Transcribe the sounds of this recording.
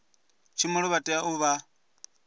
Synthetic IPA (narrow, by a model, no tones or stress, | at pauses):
t͡ʃʰimɔɺɔβatʼɛaʔuβa